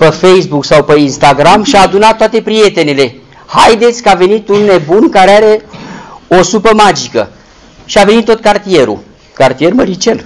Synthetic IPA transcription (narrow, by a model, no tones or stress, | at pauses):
pefejsbuksawpeinst̪aɡɾamʃiaːd̪unat̪ːoat̪e̞pɾie̞t̪e̞ne̞le̞ | hajd̪e̞t̪sʲkəave̞nit̪unːe̞bunkaɾeaɾe̞ | osupəmad͡ʒikə̰ | ʃiavenit̪ːo̞t̪̚kart̪ie̞ɾṵ | kart̪ie̞rməɾit͡ʃen